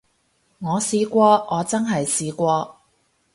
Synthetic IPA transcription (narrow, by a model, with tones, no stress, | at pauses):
ŋɔː˨˧siː˧kʷɔː˧ʔɔː˨˧t͡sɐ˥nɦɐ˨jsiː˧kʷɔː˧